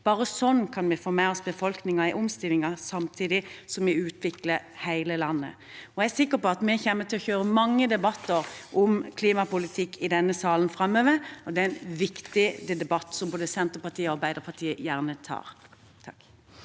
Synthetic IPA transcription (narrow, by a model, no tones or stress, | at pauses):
b̥ɑːɾəsɔnːkʰɑnmɛfoːmɛːɔsbəfɔlknɪŋəɪʔɔmst̪ɪlːɪŋɑsɑmt̪ʰiːd̪ɪsɔmʋɪʉːt̪ʰʋɪkləhæɪləlɑnːə̰ | ɔææsɪkːəpɔɑt̪mɛçeːmːət̪ɪlɔçøːɾəmɑŋːəd̪ɛbɑt̪ʰːəɾʔʊmkʰliːmɑpʊlɪt̪ʰɪkːɪd̪ɛnːəsɑːlənfɾɑmːøːʋəɾɔd̪ɛæɪnʋɪkt̪ɪd̪ɛd̪ɛbɑt̪ːsɔmboːd̪əsɛnt̪əpɑt̪ʰiːəɔɑɾbæɪd̪əʁpʰɑt̪ʰiːəjæʁnət̪ʰɑ̰ːɾ | t̪ʰɑk